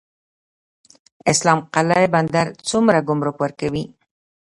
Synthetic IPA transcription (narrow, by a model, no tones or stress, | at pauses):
ɪslɑmqalaeband̪aɾt͡sʊmɾaɡʊmɾokwaɾkawi